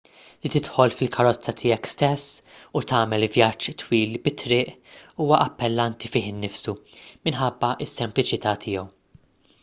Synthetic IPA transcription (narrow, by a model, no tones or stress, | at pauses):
lit̪ɪt̪ħɔlfɪlkʰɐɾɔt͡sːɐt̪ʰɪːjɛkst̪ɛsːut̪ɐːmɛlvjɐt͡ʃːt̪wiːlbɪt̪ːɾɪːʔuːwɐʔɐpːɛlːɐnt̪ifɪːħɪnːɪfsumɪnħɐbːɐʔɪsːɛmplɪt͡ʃɪt̪ɐːt̪ʰɪːɛw